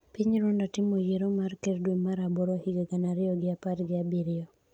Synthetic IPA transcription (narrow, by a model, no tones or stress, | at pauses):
pɪɲɾondatɪmojeɾomarkerdweŋmaɾaboɾohiɡeɡanaɾɪɔɡɪapatɡɪabiɾɪɔ